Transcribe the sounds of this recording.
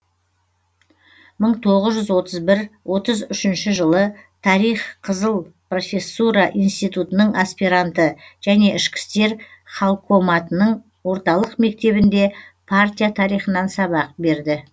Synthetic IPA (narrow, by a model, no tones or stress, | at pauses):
məɴt̪ʰo̞ʁəzʒʏzwo̞t̪əzbɪɾwʔo̞t̪əzʏʃɪnʃɪʒəlˠət̪ʰɑɾijχqʰəzəlˠpro̞fʲe̞sːuɾɑʔijnst̪ijt̪ut̪ənəɴaspiɾant̪əʒ̥æne̞ɪʃkʲɪ̥st̪e̞ɾχalˠkʰo̞mɑt̪ənəɴ | wo̞ɾt̪ɑlˠəqme̞k̚t̪e̞βɪnd̪e̞pʰart̪ʲijat̪ʰɑɾijχənɑnsɑβɑq̚be̞ɾd̪ɪ